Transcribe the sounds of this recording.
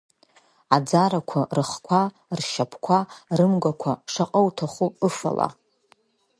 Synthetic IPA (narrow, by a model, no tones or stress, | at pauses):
ad͡zaɾakʷʰarɨχkʷʰa | rʃapʰkʷʰarɨmɡʷakʷʰaʂaqʼəwtʰaχuɨfa̰la̰